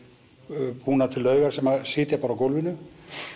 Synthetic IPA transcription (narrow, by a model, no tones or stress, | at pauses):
puːnat̪ʰɪlːœːɥɣaɾ̥sɛmːasɪːt̪ɪɾpaːɾakowlvɪlʏ